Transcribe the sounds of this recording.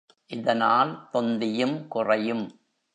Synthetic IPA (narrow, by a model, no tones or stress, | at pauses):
ʔɪðɐnaːlt̪ɔnd̪ɪjɯmkʊrɐjɯm